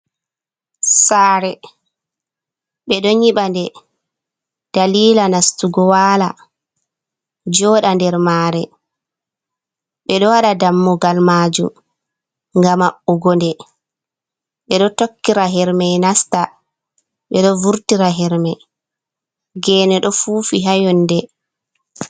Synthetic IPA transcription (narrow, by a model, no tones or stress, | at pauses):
saːɾɛ | ɓɛɗɔɲiɓandɛ | d̥aliːlanastuɡɔwaːla | d͡ʒɔːɗandɛɾmaːɾɛ | ɓɛɗɔwaɗadamːɔɡalmaːd͡ʒum | ŋɡamaɓuɡɔndɛ | ɓɛɗɔtokːiɾaɦɛɾmɛjnasta | ɓɛɗɔvuɾtiɾaɦɛɾmɛ | ɡɛːnɛɗɔfuːfiɦajɔnːdɛ